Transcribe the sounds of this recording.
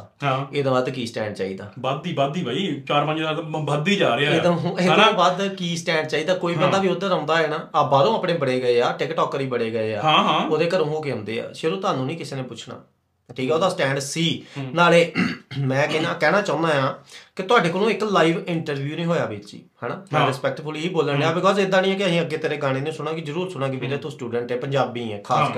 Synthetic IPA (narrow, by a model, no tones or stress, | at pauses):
ɦaeːd̪ãːbaːd̪kiːsʈɛ̃ːɳɖt͡ʃaːiːd̪aːbad̪iːbad̪iːbaːiːt͡ʃaːɾpə̃ɲd͡ʒabəd̪iːd͡ʒaːɾeːeːd̪õeːd̪ãːbaːd̪kiːsʈɛ̃ːɳɖt͡ʃaːiːd̪aːkoːiːbə̃nd̪aːbiːoːd̪əɾə̃ːnd̪aːɦɛːnaːaːbaːɾõːaːpɽeːbəɽeːɡəeːaːʈɪkʈɔːkəɾiːbəɽeːɡəeːa̰ːãːɦãːoːd̪eːkəɾə̃ɦoːkeːɦə̃ːnd̪ḛːa̰ːʃəɾõːt̪ʊaːnũːnĩːkɪseːneːpʊt͡ʃʰna̰ː | ʈʰiːkɛːoːd̪aːsʈɛ̃ːɳɖsiːnaːleːmɛ̃ːkɛnaːkɛːɽaːt͡ʃãʊ̃nd̪aːjãːkɪt̪ʊaːɖeːkolũːɪklaːiːʋɪɳʈəɾʋjuːnĩːɦoːjaːbiːt͡ʃḭːhɛːnãːɾɪspɛk̚ʈfʰʊliːiːboːləɳeaːbɪkɔːzed̪ãːnĩːɛːkɪəsĩːəɡːeːt̪eːɾeːɡaːɽ̃eːnũːsʊɽ̃ãːkizəɾuːɾsʊɽ̃ãːkɪbiːɾeːt̪ũːsʈuːɖəɳʈɛːpəɲd͡ʒaːbiːɛːkʰaːsk